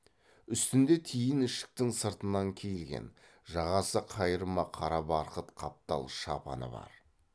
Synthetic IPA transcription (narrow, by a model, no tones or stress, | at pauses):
ʏst̪ɪnd̪e̞t̪ʰijɪnɪʃɪ̥k̚t̪ɪŋsəɾt̪ənɑŋkʲʰejɪlɡʲe̞̰n | ʒɑʁɑsəqʰɑjəɾəmɑqʰɑɾɑbɑɾqət̪qʰɑp̚t̪ɑ̰lˠʃɑpɑ̰nə̰bɑ̰ɾ